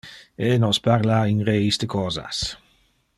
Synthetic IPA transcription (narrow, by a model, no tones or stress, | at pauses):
enɔspaɾlainɾeist̪əkʰɔːza̰s